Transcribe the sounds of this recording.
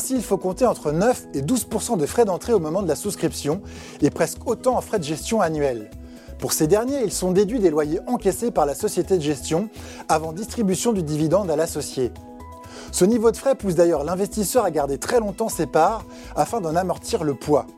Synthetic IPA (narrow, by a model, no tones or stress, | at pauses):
ɛ̃siːlfokɔ̃t̪eɑ̃t̪χənœfed̪uzpuʁsɑ̃d̪əfχɛd̪ɑ̃t̪χeomɔmɑ̃d̪əlasuskχipsjɔ̃ | epχɛskʰot̪ɑ̃ːfχɛd̪əʒɛst̪jɔ̃anɥɛl | puʁsed̪ɛʁnjeilsɔ̃d̪ed̪ɥid̪elwajeʔɑ̃kʲɛsepaʁlasɔsjet̪ed̪əʒɛst̪jɔ̃ | avɑ̃d̪ist̪χibysjɔ̃d̪yd̪ivid̪ɑ̃d̪alasɔsje | sənivod̪əfχɛpus̬d̪ajœʁlɛ̃vɛst̪isœʁaɡaʁd̪et̪χɛlɔ̃t̪ɑ̃sepaʁ | afɛ̃d̪ɑ̃namɔʁt̪iʁləpwa